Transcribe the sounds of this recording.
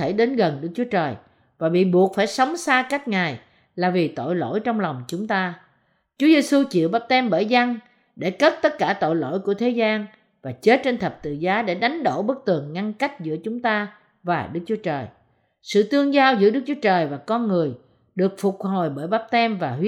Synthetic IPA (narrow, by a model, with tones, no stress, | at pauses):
e˧˩ɗe˨˦nɣə˨˩nɗɨ˦˥k̚t͡ɕu˨˦ət͡ɕəː˨˩j | vaː˨˩ɓḭ˧˨ɓu˨˩ək̚faː˧˩jsə˨˦wŋ͡msaː˧ka˦˥jk̟̚ŋaː˨˩j | laː˨˩vi˨˩t̪o̰˧˨jlo̰˧˥˨jt͡ɕɔ˧wŋ͡mla˨˩wŋ͡mt͡ɕʊ˨˦ŋ͡mt̪aː˧ | t͡ɕu˨˦əze˧su˧t͡ɕḭ˧˨wɓaː˦˥p̚t̪ɛ˧mɓəː˧˩jza˧ŋ | ɗe˧˩kə˦˥t̚t̪ə˦˥t̚kaː˧˩t̪o̰˧˨jlo̰˧˥˨jku˧˩ət̪ʰe˨˦zaː˧n | vaː˨˩t͡ɕe˦˥t̚t͡ɕe˧nt̪ʰə˨˩p̚t̪ɨ̰˧˨zaː˨˦ɗḛ˧˩ɗa˨˦jŋ̟ɗo˧˩ɓɨ˦˥k̚t̪ɨ˨˩əŋːa˧ŋka˦˥jk̟̚zɨ̰˧˥ət͡ɕʊ˨˦ŋ͡mt̪aː˧ | vaː˨˩ɗɨ˦˥k̚t͡ɕu˨˦ət͡ɕəː˨˩j | sɨ̰˧˨t̪ɨ˧əŋzaː˧wzɨ̰˧˥əɗɨ˦˥k̚t͡ɕu˦ə˦t͡ɕəː˨˩jvaː˨˩kɔ˧nŋɨ˨˩əj | ɗɨ˨˩ək̚fʊ˨˩k͡p̚ho˨˩jɓəː˧˩jɓaː˦˥p̚t̪ɛ˧mvaː˨˩ɦi˦˥